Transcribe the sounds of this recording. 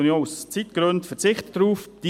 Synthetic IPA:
unjoːust͡sitɡ̥ɾøntfɛɾt͡sɪχtətːɾuːfd̥i

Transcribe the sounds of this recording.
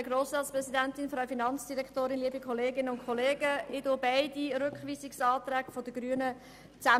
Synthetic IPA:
əɡɾoːsɑːspɾɛsidɛntɪnfraʊfinɑnt͡sd̥iɾɛktoːɾɪnliːəbikʰɔleːɡɪnənʊnkʰχɔleːɡəɪdʊbaɪdiɾʏkχʋiːsɪksɑːtɾɛːkfodəɡ̥ryənə | t͡sæ

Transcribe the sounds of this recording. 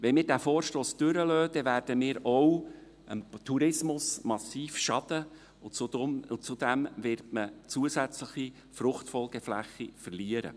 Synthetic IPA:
ʋɛnmɪːɾdæːfoːɾʃtoːsd̥ʏɾəløːd̪ɛvæːɾd̥əmɪːɾɔw | əmt̪ʰuɾɪsmʊsmɑsiːfʃɑd̥̪ə | ʊt͡sudʊt͡sud̥̪æmvɪɾtmət͡suəsæt͡sləχi | frʊχtfɔlɡɛflæ̰χːifərliːəɾə̰

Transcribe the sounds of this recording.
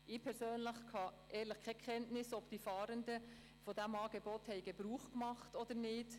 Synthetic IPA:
ʔɪpʰɛɾsøːnləχkʰɑʔɛːləχkʰɛkʰɛntnɪsɔb̥tifɑːɾəndə | fodæmɑːɡ̥ebɔthɛɪɡebɾuːχkmɑχtɔd̥̪əɾnɪt

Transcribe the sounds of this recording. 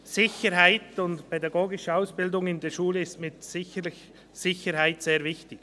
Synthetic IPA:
sɪçəɾɦaɪtʊntpʰɛdɑɡoːɡɪʃəaʊsb̥ɪldʊŋɪndeːʃuːləɪstmɪtsɪçəlɪç | sɪçəɾhaɪtseːɾvɪçtɪɡ

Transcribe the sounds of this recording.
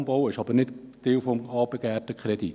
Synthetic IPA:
mbowɪʃɑbərnɪtt̪ewfomɑːbəkɛːrtəkʰredit

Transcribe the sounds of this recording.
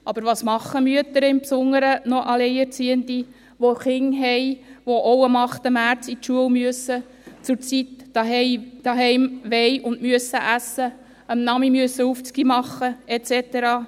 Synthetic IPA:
ʔɑbəɾʋɑːsmɑχːəmyət̪əɾəɪmpsʊŋːəɾənɔʔɑleɪɛɾt͡siənt̪i | ʋoχɪŋɦɛɪʋoʔowəmɑχt̪əmæːɾt͡sitʃuəlmyəsə | t͡sʊɾt͡sit̪d̥ɑɦɛɪd̥ɑːɦɛɪmʋɛjʊndmyəsːəʔæsːə | əmnɑmimyəsːəuft͡skimɑχːəɛt͡sɛt̪eɾɑː

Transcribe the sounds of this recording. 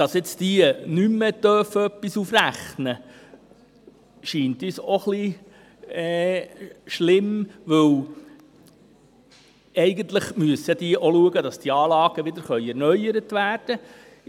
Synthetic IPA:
d̥ɑsɛt͡stiənymːəd̪œfəœpːisufræχnə | ʃiːnt̪ysoχli | ɛː | ʃlɪmʋɵw | ɛɪɡənt̪ləχmyəsəd̥̪iəʔoluəɡəd̪ɑsd̥iɑːlɑːɡ̥əʋɪd̪əɾχœʏɛɾnœʏəɾət̪ʋæːrd̥ə

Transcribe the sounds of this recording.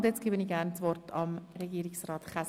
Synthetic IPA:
ndjɛt͡sɡ̥eːbəniːɡæːrnt͡sʋɔrtʰɑmɾɛɡiːɾɪksrɑːtχæs

